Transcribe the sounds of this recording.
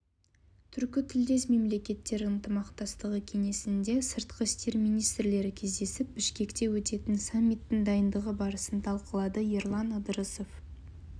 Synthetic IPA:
t̪ʰʏɾkʲɪt̪ʰɪld̪e̞sme̞mle̞kʲe̞t̪ːe̞ɾɪnt̪ʰəmɑqt̪ɑst̪əʁəkʲʰe̞ŋe̞sɪnd̪e̞səɾt̪qʰəɪst̪e̞ɾmijnijst̪ɾle̞ɾɪkʲʰe̞zd̪e̞sɪp̚bɪʃkʲe̞kt̪e̞wɵt̪e̞t̪ɪnsamʲːijt̪ːɪŋd̪ɑjənd̪əʁəbɑɾəsənt̪ʰɑlˠqəlˠɑd̪əjeɾlˠɑnəd̪əɾəzo̞f

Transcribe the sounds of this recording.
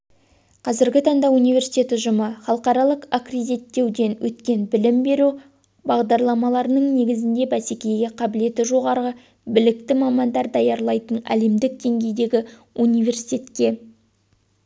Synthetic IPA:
qʰɑzɪɾɡʲɪt̪ʰɑɴd̪ɑunijvʲe̞ɾsi̥t̪ʲe̞t̪ɪʒʊməχɑlˠəqɑɾɑlˠəqakred̪ʲit̪ːe̞wd̪e̞nwʔɵt̪kʲe̞nbɪlɪmbe̞ɾu | bɑʁd̪ɑɾlˠɑmɑlˠɑɾənəɴne̞ɡʲɪzɪnd̪e̞bæsekʲe̞jɡʲeqʰɑbɪle̞t̪ɪʒo̞ʁɑɾə | bɪlɪk̚t̪ɪmɑmɑnd̪ɑɾd̪ɑjɑɾlˠɑjt̪ənæ̰le̞md̪ɪk̚d̪e̞ŋɡʲe̞jd̪e̞ɡʲɪ | unijve̞rsi̥jt̪ʲe̞t̪kʲe̞

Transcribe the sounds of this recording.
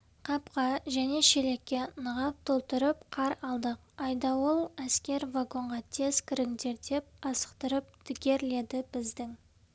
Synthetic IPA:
qʰɑpqɑʒæne̞ʃele̞kʲːe̞nəʁɑp̚t̪ʰo̞lˠt̪əɾəpqʰɑɾɑlˠd̪əq̚ | ɑjd̪ɑwo̞lˠæskʲe̞ɾvaɡo̞ɴʁɑt̪ʰe̞z̥kʲʰɪɾɪŋd̪e̞ɾd̪e̞p̚ɑsə̥qt̪əɾəp̚t̪ʰɪɡʲe̞ɾle̞d̪ɪb̥ɪzd̪ɪŋ

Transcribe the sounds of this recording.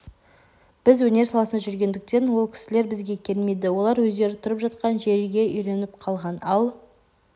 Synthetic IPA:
b̥ɪzwɵne̞ɾsɑlˠɑsənɑʒʏɾɡʲe̞nd̪ɪk̚t̪e̞nwo̞lˠkʲʰɪ̥sɪle̞ɾbɪzɡʲe̞kʲʰe̞lmejd̪ɪwo̞lˠɑɾwɵzd̪e̞ɾɪt̪ʰʊɾəpʒɑt̪qɑnʒe̞ɾɡʲe̞ʔʏjɾe̞nɪp̚qʰɑlˠʁɑnɑlˠ

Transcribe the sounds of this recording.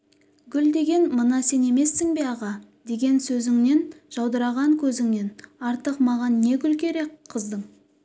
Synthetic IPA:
ɡʲʏld̪e̞ɡʲe̞nmənɑse̞ne̞me̞sːɪŋbeɑʁɑ | d̪̥e̞ɡʲe̞nsɵzɪŋne̞nʒ̥ɑwd̪əɾɑʁɑŋkʲʰɵzɪŋne̞nɑɾt̪əqmɑʁɑnːe̞ɡʲʏlkʲe̞ɾe̞kqʰːəzd̪əɴ

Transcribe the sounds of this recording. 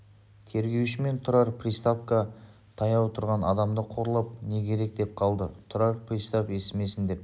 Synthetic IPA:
t̪ʰe̞ɾɡʲe̞wʃɪme̞nt̪ʰʊɾɑɾpʰrist̪apka | t̪ʰɑjɑwt̪ʰʊɾʁɑnɑd̪ɑmd̪əqʰo̞ɾəlˠəp̚ne̞kʲʰe̞ɾe̞k̚d̪e̞p̚qʰɑlˠd̪ət̪ʰʊɾɑɾpʰrist̪ape̞sɪme̞sɪnd̪e̞p

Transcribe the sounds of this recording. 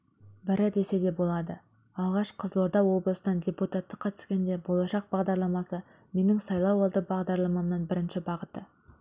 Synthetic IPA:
bɪɾɪd̪e̞se̞d̪e̞bo̞lˠɑd̪ə | ɑlˠʁɑʃqʰəzlˠo̞ɾd̪ɑwo̞blˠəsənɑndʲeput̪at̪ːəqʰɑt̪ə̥skʲe̞nd̪e̞bo̞lˠɑʃɑq̚bɑʁd̪ɑɾlˠɑmɑsə | me̞nɪŋsɑjlˠɑwɑlˠd̪əbɑʁd̪ɑɾlˠɑmɑmnəɴbɪɾɪnʃɪbɑʁət̪ə

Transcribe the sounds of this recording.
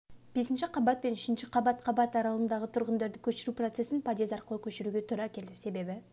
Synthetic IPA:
b̥e̞sɪnʃɪqʰɑbɑt̪̚pe̞nɪʃɪnʃɪqʰɑbɑt̪qʰɑbɑt̪ɑɾɑlˠənd̪ɑʁət̪ʰʊɾʁənd̪ɑɾd̪ɪkʲʰɵʃɪɾupro̞t̪se̞sɪnpʰad̪e̞zɑɾqəlˠəkʲʰɵʃɪɾuɡʲe̞t̪ʰʊɾɑkʲʰe̞ld̪ɪse̞be̞bɪ

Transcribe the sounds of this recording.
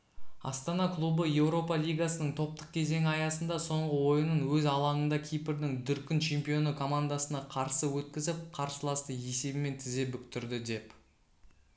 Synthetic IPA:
ɑ̰st̪ɑnɑklˠubəje̞wɾo̞pɑlʲijɡasənəɴt̪ʰo̞p̚t̪əq̚kʲʰe̞ze̞ŋɪɑjɑsənd̪ɑso̞ɴʁəwo̞jənənwɵzɑlˠɑɴənd̪ɑkʲʰijpɪɾd̪ɪŋd̪ʏɾkʲɪnt͡ʃʰe̞mpijo̞nəkʰo̞mand̪asənɑqʰɑɾsəwɵt̪̚kʲɪzɪp̚qʰɑɾsəlˠɑst̪əje̞se̞bɪme̞nt̪ʰɪze̞pʏkt̪ʏɾd̪ɪd̪e̞p

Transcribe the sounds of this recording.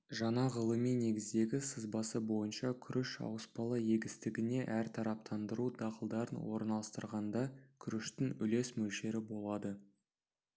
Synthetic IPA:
ʒɑɴɑʁəlˠəmijne̞ɡʲɪzd̪e̞ɡʲɪsəzbɑsəbo̞jənʃɑkʲʰʏɾʔɪʃɑ̰wəsbɑlˠɑje̞ɡʲɪst̪ɪɡʲɪne̞ʔæɾt̪ʰɑɾɑp̚t̪ʰɑnd̪əɾud̪ɑqəlˠd̪ɑɾənwo̞̰ɾnɑlˠəst̪əɾʁɑnd̪ɑkʲʰʏɾɪʃt̪ɪŋʏ̰le̞smɵlʃe̞ɾɪbo̞lˠɑd̪ə

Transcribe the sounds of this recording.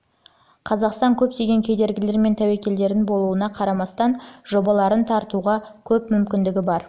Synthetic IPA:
qʰɑzɑqst̪ɑŋkʲʰɵp̚t̪e̞ɡʲe̞ŋkʲʰe̞d̪e̞ɾɡʲɪle̞ɾme̞nt̪ʰæwekʲe̞ld̪e̞ɾɪnbo̞lˠuənɑqʰɑɾɑmɑst̪ɑnʒo̞bɑlˠɑɾənt̪ʰɑɾt̪uʁɑkʲʰɵpmʏmkʲɪnd̪ɪɡʲɪbɑɾ

